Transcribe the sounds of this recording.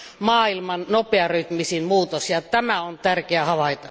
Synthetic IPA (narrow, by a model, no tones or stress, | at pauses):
mɑːilmɑnnopeɑryh̪misinmuːt̪osjɑt̪æmæont̪ærkeæhɑʋɑˑit̪ɑ